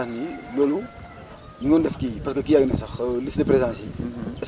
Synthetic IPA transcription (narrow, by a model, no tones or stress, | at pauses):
anilolu | niŋondɛfkiparskəkijaɡinɐsɐxlisdepɾezãsiɛs